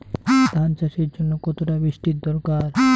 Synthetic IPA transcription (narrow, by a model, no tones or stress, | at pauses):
d̪ʱant͡ɕaʃiɾd͡ʑonːokɔt̪ʰoʈabɾiʃʈid̪ɔɾkaɾ